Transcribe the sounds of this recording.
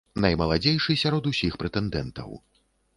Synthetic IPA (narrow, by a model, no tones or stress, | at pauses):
nɐjmɐlˠad͡zʲejʂɨsʲaɾɔd̪usʲixpɾɛt̪ɛnd̪ɛnt̪ɐ̰w